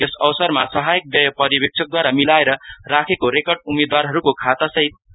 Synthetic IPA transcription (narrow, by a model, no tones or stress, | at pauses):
esʌwsʌrma̰sʌɦajk̚b̪jʌjʌpʌɾibek̚t͡sʰʌk̚d̪waɾamilaeɾʌrakʰekoɾekʌrɖumed̪waɾɦʌɾukokʰat̪ʌsʌɦit̪̚